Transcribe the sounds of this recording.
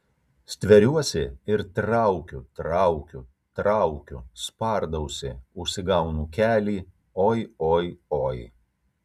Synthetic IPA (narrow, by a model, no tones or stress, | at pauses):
sʲt̪ʲʋʲɛɾʲuɔsʲɪɪɾt̪ɾɑˑʊkʲut̪ɾɑʊkʲu | t̪ɾɑʊkʲʊspɑˑɾd̪ɐʊsʲɪʊʃʲsʲɪɡɐʊnuːkʲæːlʲiː | oːjoːjoːj